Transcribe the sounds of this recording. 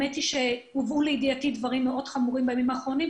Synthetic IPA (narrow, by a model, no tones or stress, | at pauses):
etiʃeuvuleidiatidvaʁimːeʔo̞d̥χamuʁimbeemimaːχʁo̞nim